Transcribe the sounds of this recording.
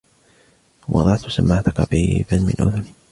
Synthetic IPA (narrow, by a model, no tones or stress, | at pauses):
wʔɑ̰d̪ˤɑʕt̪samːaʕt̪akɑbiːbanmɪ̰nʔʊðʊn